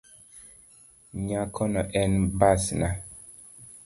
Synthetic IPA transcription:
ɲakʰɔnɔʔɛnbasna

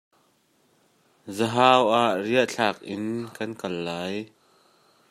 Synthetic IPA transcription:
zəɦaːwʔaʔriəʔt͡ɬʰaːk̚ʔɪnkɐnkɐlːaːj

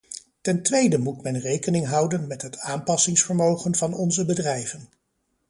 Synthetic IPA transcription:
tɛntʋejdəmutmɛnrejkənɪŋɦɑwdənmɛtɦətaːmpɑsɪŋsfəɹmowχənvɑnɔnzəbədrɛjvən

